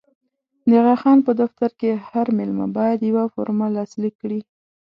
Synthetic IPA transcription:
d̪əɣɑxɑnpəd̪aft̪aɾkehaɾmɪlma̰bɑjad̪jawafoɾmalɑslikːɽi

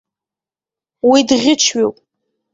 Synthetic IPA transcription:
widʁʲɪt͡ʃʰɥowpʼ

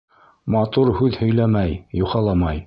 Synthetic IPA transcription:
mɑt̪uɾhʉðhɵ̆jlæmæjjuχɑlˠɑmɑj

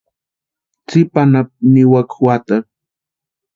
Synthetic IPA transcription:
t͡sɪpanap̚niwakwat̪a

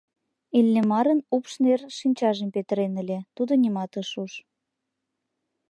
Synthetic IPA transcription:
ilʲːemɑɾənupʃnerʃinʲt͡ɕɑʒempet̪əɾenəlʲet̪ud̪onʲimɑt̪əʃuʃ

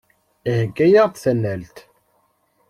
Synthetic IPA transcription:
ihəɡːæjaʁθθænːælt̪

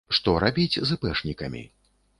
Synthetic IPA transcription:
ʂt̪ɔɾabʲit͡sʲzɨpɛʂnʲikɐmʲḭ

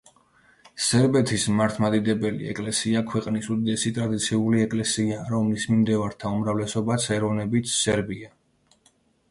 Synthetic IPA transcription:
sɛɾbɛt̪ʰismaɾt̪ʰmad̪id̪ɛbɛlḭɛ̰kʼlɛsiakʰwɛqʼnisud̪id̪ɛsit̪ʼɾad̪it̪sʰiuliɛkʼlɛsiaɾɔmlismimd̪ɛvaɾt̪ʰaumɾavlɛsɔbasʰɛɾɔvnɛbit̪ʰsɛɾbia

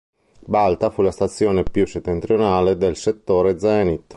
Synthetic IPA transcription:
balt̪afulast̪at̪sːjoːnepjuset̪ːent̪ɾjonaːled̪elset̪ːoːɾed̪zɛnit̪ː

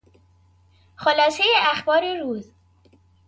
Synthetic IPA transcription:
xolɒːsejeʔæxbɒːɾeɾuːz

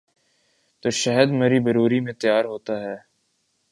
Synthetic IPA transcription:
t̪oːʃɐɦəd̪mɐɾibɐɾuːɾimẽt̪ɐjaːɾɦoːt̪aɦɛː

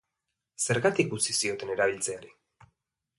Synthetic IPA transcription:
se̞ɾɣat̪ik̚ɡut͡sisio̞t̪e̞ne̞ɾaβ̞ilt͡se̞aɾi

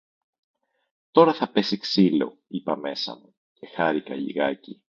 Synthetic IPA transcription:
t̪o̞ɾɐθɐpe̞siksilo̞̰ipɐme̞sɐ̰mu | ce̞xɐɾikɐ̰ʎḭɣɐci

